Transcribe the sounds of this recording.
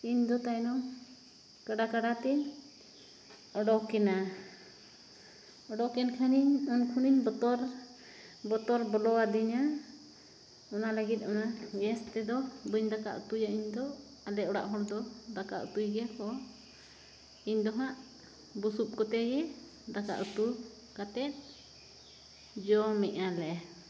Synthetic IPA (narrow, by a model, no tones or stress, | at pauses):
iɲd̪ɔt̪ajnɔŋ | kaɖakaɽat̪ɛn | ɔɖɔkɛna | ɔɖɔkɛnkʰaniɲɔnkʰuniɲbɔt̪ɔɾ | bɔt̪ɔɾbɔlɔwad̪iɲa | ɔnalaɡit̪̚ˀɔnaɡɛst̪ɛd̪ɔbəɲd̪aka̰ʔut̪ujaiɲd̪ɔ | alɛɔɽa̰ʔɦɔɽd̪ɔd̪akaʔṵt̪ujɡɛkɔ | iɲd̪ɔɦaʔ | busup̚kɔt̪ɛɡɛ | d̪aka̰ʔut̪u | kat̪ɛt̪̚ˀ | d͡ʒɔmɛʔalɛ